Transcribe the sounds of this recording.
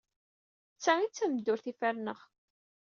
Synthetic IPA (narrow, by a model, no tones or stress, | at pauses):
t͡sːæit͡sːæmd̪ːʊɾθifæɾnəʁ